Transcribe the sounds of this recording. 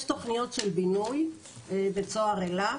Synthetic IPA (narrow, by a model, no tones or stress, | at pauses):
ʃt̪o̞χnijo̞tʃelbinuj | bet͡soaʁela